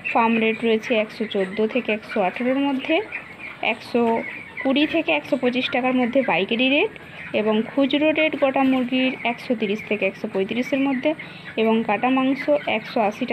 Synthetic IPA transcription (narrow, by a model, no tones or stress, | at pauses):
famɾeʈɾoet͡ɕʰeɛkʃot͡ɕod̪ːot̪ʰekeɛkʃoaʈʰaɾoɾmod̪ʱːe | ɛ̰kʃo | kuɽit̪ʰekeɛkʃopot͡ɕiʃʈakaɾmod̪ʱːebajkeʈiɾeʈ | eboŋkʰud͡ʑɾoɾeʈɡɔʈamuɾɡiɾɛkʃot̪iɾiʃt̪ʰekeɛkʃopojt̪iɾiʃeɾmod̪ʱːe | eboŋkaʈamaŋsoʔɛkʃoaʃiʈ